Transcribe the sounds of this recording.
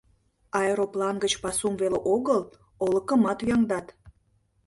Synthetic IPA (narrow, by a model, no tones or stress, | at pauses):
ɑeɾoplɑnɡət͡ɕpɑsumveleʔoɣəl | olə̆kə̆mɑt̪jɑŋd̪ɑt̪